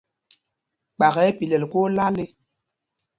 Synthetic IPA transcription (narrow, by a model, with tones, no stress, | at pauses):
k͡pa˨ɣɛ˨˦pi˨lɛ˨lko˦la˦li˦